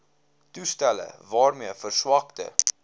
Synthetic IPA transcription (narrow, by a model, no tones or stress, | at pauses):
tustælə̰vɑːrmiəfərswɑktə̰